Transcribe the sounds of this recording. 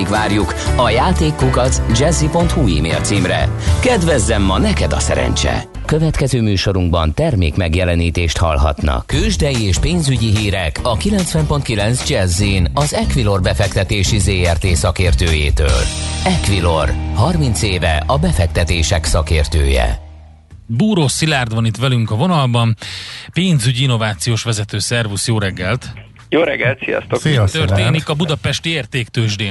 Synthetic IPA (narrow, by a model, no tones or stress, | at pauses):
ikʋaːrjukɒjaːt̪eːkːukɒt̪sd͡ʒɛzːipo̞nt̪huḭːmḛːlt̪siːmrɛ̰kɛd̪ʋɛzːɛmːɒnɛkɛd̪ɒsɛ̰ɾɛ̰nt͡ʃɛ̰ | køvɛt̪kɛzøːmyːʃo̞ɾuŋɡ̚bɒnt̪ɛrmḛːkmɛɡjɛlɛniːt̪eːʃt̪hɒ̰lɦɒ̰t̪nɒ̰køːʒd̪ɛjieːʃpeːnzyɟiɦiːɾɛkɒkilɛnt̪sʋɛmpo̞nt̪kilɛnzd͡ʒɛzːinɒzɛkʋilo̞rbɛfɛkt̪ɛt̪eːʃizeːɛrt̪eːsɒkeːrt̪øːjeːt̪ø̰ːlɛkʋilo̞rhɒrmint̪seːvɛ̰ʔɒbɛfɛk̚t̪ɛt̪eːʃɛksɒkeːrt̪øːjɛ̰ | buːɾoːsilaːrd̪ʋɒnit̪ʋɛlyŋkɒvo̞nɒlbɒmpeːnzyɟiinːo̞vaːt̪sijoːʃʋɛzɛt̪øːsɛrvusjoːɾɛɡːɛlt̪ | joːɾɛɡːɛlt̪sḭjɒ̰st̪ot̪ørt̪eːnikɒbud̪ɒpɛʃt̪ieːrt̪eːkt̪øːʒd̪eː